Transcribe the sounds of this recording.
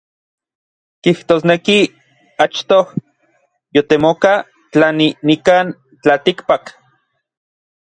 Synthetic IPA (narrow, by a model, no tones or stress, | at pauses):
kiht̪oːsneki | at͡ʃt̪oh | jot̪emoka | t͡ɬaninikaːn | t͡ɬalt̪ikpak